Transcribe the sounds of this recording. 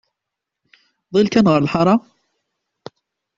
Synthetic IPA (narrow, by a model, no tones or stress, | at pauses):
ðˤilkænʁəɾəlħɑɾˤɑ